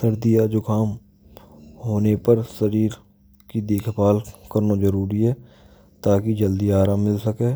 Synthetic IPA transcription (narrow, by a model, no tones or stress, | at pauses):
səɾd̪ijad͡ʒoːkaːm | ɦoːnepəɾsəɾiːɾ | kid̪eːkʰpaːlkəɾnazəɾuːɾiɦɛː | t̪aːkid͡ʒəld̪iaːɾaːmːɪlsəkeː